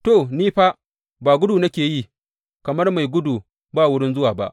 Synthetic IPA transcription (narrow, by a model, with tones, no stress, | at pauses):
to˨niː˦ɸa˦ | baː˨ɡʷʊ˦duː˨nɐ˦kʲeː˨ji˦˨ | kɐ˨mɐ˦rma˨jɡʷʊ˦duː˨ | baː˦˨wʊ˦ɽɪ˦nzʊ˦waː˨ba̰˦ʔ